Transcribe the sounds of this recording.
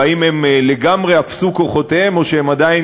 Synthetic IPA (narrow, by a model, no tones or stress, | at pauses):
aime̞mle̞ɡamʁeafsuko̞χo̞teemo̞ʃeemad̪ain